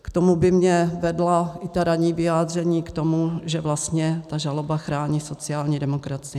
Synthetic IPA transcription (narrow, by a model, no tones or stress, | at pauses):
kt̪o̞mubɪmɲɛvɛdlaʔɪt̪aɾaɲiːvɪjaːd̪r̝ɛɲiːkt̪o̞muʒɛvlast̪ɲɛt̪aʒalobaxɾaːɲiːso̞t͡sɪaːlɲiːdɛmokɾat͡sɪɛ